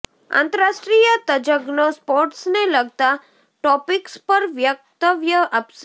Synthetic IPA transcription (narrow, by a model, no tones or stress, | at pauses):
ã̰ːnt̪əɾasʈɾijət̪əd͡ʒəɡnospoɾʈsneləɡt̪a | ʈɔpikspəɾʋjəɡ̚t̪əʋjəʔəps